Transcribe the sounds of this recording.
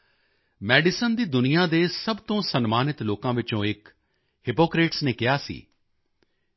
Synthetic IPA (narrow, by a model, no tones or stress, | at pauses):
mɛːɖɪsənd̪iːd̪ʊnijãːd̪eːsəbt̪õːsənmaːnɪt̪loːkãːʋɪt͡ʃõːɪk | hɪpoːkɾeːʈsneːkɪjaːsḭː